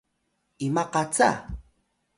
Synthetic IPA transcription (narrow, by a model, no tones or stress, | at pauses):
ɪmaqɑt͡sa̰